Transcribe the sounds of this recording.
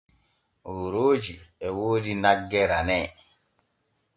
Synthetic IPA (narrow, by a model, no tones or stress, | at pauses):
woɾoːd͡ʒiɛwoːdinaɡːɛɾamɛ